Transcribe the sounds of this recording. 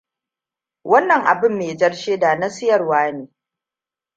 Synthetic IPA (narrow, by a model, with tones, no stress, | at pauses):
wɐ˦nːɐ˨ŋʔa̰˨bɪ˦mːeː˨d͡ʒɐ˦rʃeː˦da˨nɐ˦sɪ˦jɐ˨rwaː˦neː˨